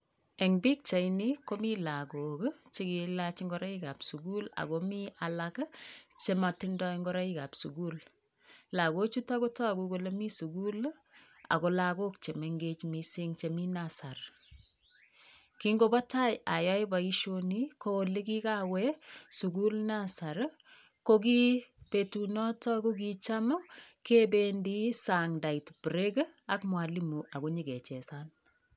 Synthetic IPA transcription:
e˨ŋbi˦k̚t͡ʃa˨ini˦ko˦mi˦la˨ko˨kt͡ʃi˦ki˨lat͡ʃɪŋɡɔ˨ɾa˦ika˨psuɡu˦la̰˨komialakt͡ʃema˨tindɔ˦iŋɡɔ˦ɾa˦i˦ka˨psuɡu˦l | la˨ɡo˦t͡ʃu˦ta˦ko˦tɔ˦˨kuko˨le˦mi˦su˨ɡul | a̰˨ko˨laɡo˦k̚t͡ʃe˨meŋɡet͡ʃmisi˦ŋt͡ʃe˨mi˦nasar | kiŋɡo˨ba˦ta˦ja˨jɔ˦jba˨i˦ʃonikʰo˦oli˦ki˦kawɛsu˨ku˦lnasa˨ɾ | koki˦pe˨tunɔ˦tɔ˦ko˦k̬it͡ʃamo˦ke˦bendi˦saŋda˨i˨tpɾe˦ɡ | a˦kmwa˨li˦mu˨ʔa˨ko˦ɲi˦ke˨t͡ʃɛ˨san

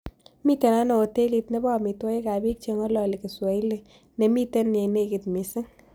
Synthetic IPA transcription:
mi˦te˨na˦nɔ˨o˨te˦li˧tne˦bɔ˦˨mi˨twɔ˦e˦ka˨bi˦k̚t͡ʃe˨ŋɔ˦lɔ˨le˨ke˨swa˨i˦le˦ | ne˨mi˦te˦n˨e˨ne˦kɪ˨tmɪ˨sɪ˦ŋ

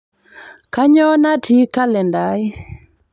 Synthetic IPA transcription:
ka˦ɲɔ˦na˦tʰi˦ka˦lɛ˨nda˨˦j

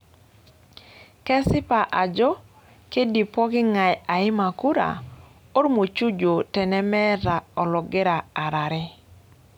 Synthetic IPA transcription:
kɛ˦sɪ˦pa˨ʔa˨d͡ʒɔ˦ | ke˦di˨pɔ˦kɪ˦ŋa˨ja˨ɪ˦ma˨ku˦ɾa̰˨ | o˦ɾmo˨t͡ʃu˦d͡ʒo˨tɛ˨nɛ˦mɛ˦ɾa˨ɔ˨lɔ˨ɡɪ˦ɾa˨a˨ɾa˨ɾɪ˦

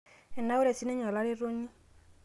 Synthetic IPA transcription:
ɛ˨na˦o˦ɾɛ˨si˦nɛ˦ɲɔ˨la˦ɾe˦ɾo˦ɲi˦

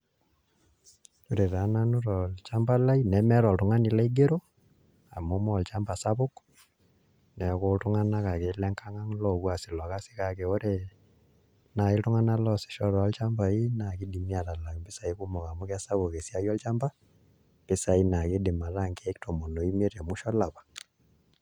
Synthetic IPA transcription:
o˨ɾe˨ɾa˨˦na˦no˦ɾɔ˨lt͡ʃa˦mba˦la˦i˦nɛ˨mɛ˦ɾɔ˨ltʊ˨ŋa˦ni˨la˦i˦ɡe˦ɾo˦ | a̰˨mo˦mɔ˦˨lt͡ʃa˦mba˨sa˦βʊ˦k | nɛ˨˦ko˦ltʊ˦ŋa˦na˦ka˨ke˨lɛ˦ŋka˦ŋa˦ŋlɔ˦˨kwa˨sɪ˨lwa˨ka˦si̥˦ka˨ke˨o˦ɾe˨ | na˨ɪ˦ltʊ˦ŋa˦na˦lɔ˦sɪ̥˨ʃɔ˦ɾɔ˨˦lt͡ʃa˦mba˨i˦na˨kɪ˦di˨mi˦a˨ta˨la˨mbɪ˦sa˨i˦ku˦mɔ˨ka˨mʊ˦ka˦sa˦βʊ˨ke˨si˦a˦jɔ˦lt͡ʃa˦mba˦ | pɪ˦sa˨i˦na˨kɪ˦dɪ˨ma˨ta˦˨ŋke˦ɛ˦ktʰo˨mo˨no˨i˦m˦e˦tɛ˨mʊ˦ʃɔ˦la˨pḁ˨

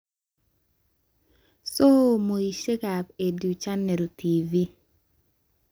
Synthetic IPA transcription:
so˦˨mo˨i˨ʃe˦ka˨pe˨du˨t͡ʃa˦ne˨ɾo˨tʰi˨vi˦

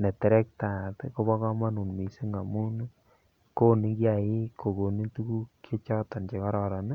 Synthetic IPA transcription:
nɛ˨tɛ˨ɾɛ˦k̚ta˨tko˦βɔ˦kɔ˦ma˦nu˨nmi˨si˦ŋɡa˨mu˦n˦ | ko˦ni˦kja˨jɪ˦ko˨ko˨ni˦tu˦ku˦kʰːe˦t͡ʃɔ˦tɔ˨nt͡ʃe˨kɔ˦ɾɔ˨ɾa˨n˦

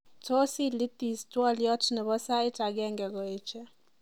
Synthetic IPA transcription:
tɔ˦si˦li˦ti˨stwɔ˦ljɔ˦tnɛ˨βɔ˦sa˦ɪ˦ta˨ɡɛ˦˨ŋɡɛ˨ɡɔ˨e˨t͡ʃɛ˦

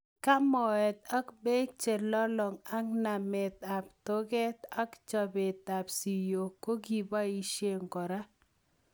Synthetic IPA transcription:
ka˦mɔ˨ɛ˨t̪a˦kbe˦k̚t͡ʃe˨lɔ˦lɔ˨ŋa˦kna˨mɛ˨t̪a˨p̚to˦ɡɛ˦t̪a˦kt͡ʃɔ˨bɪ˨t̪a˨psi˨jo˨ko˦ɡi˨ba˦i˦ʃe˦ŋkɔ˨ɾa˦

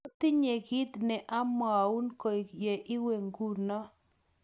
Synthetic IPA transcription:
t̪ɪ˦ɲe˨ɡɪ˦t̪nɛ˨ʔa˦mɔ˨a˨u˦nko˨i˨kje˨ʔɪ˦we˨ŋɡu˦nɔ˦

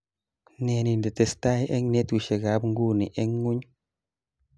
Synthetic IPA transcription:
ne˨ni˨ndɛ˨te˨sta˦jʔɛ˦ŋne˦t̪u˨ʃe˨ɡa˨˦bŋɡu˦˨ni˨ʔɛ˦ŋːu˦ɲ

